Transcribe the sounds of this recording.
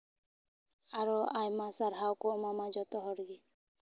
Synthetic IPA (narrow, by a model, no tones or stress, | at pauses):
aɾɔajmasaɾɦawkumamad͡ʒɔt̪ɔɦɔɾɡi